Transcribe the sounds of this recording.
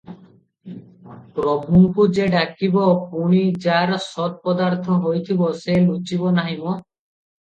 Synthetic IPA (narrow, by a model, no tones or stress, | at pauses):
pɾɔbʱuŋkud͡ʑeɖakibɔpuɽ̃id͡ʑaɾsɔd̪̚pɔd̪aɾt̪ʰɔɦojt̪ʰiboselut͡ʃibɔnaɦimɔ